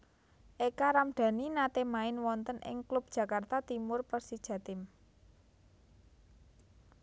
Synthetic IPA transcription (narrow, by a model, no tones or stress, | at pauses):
ʔekaɾamɖ̥ä̤ninat̪emaɪnwɔnt̪ənʔɪ̰ŋklub̚d̥ʒ̥ä̤kart̪at̪imʊrpərsid̥ʒ̥ä̤t̪ɪm